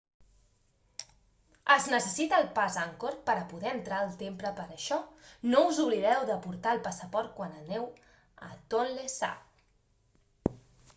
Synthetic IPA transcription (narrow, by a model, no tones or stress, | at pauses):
əznəsəsit̪əːlˠpazaŋkoɾpəɾəpuðɛənt̪ɾaəlˠt̪empɾəpəɾəʃɔnouzuβliðɛwðəpuɾt̪aəlˠpasəpɔɾt̪̚kwanənɛw | ə̰t̪onlesa̰